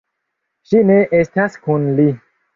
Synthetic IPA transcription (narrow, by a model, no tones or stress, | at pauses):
ʃineʔestaskunli